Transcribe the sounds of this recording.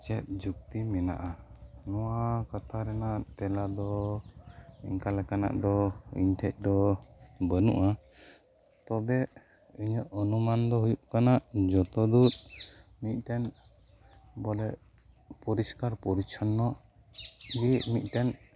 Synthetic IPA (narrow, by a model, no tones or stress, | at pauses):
t͡ʃɛt̪̚d͡ʒuk̚t̪imɛna̰ʔanɔwakat̪ʰaɾɛnaʔt̪ɛlad̪ɔ | ḭŋkalɛkana̰ʔd̪ɔḭɲt̪ʰɛc̚ˀd̪ɔbənṵʔa | t̪ɔbɛʔ | iɲɔʔɔnumand̪ɔɦujuʔkanaʔd͡ʒɔt̪ɔd̪ut̪̚mit̪̚ˀtɛn | bɔlɛʔ | pɔɾiskaɾpɔɾit͡ʃʰɔnːɔ | d͡ʒimit̪̚ˀʈɛn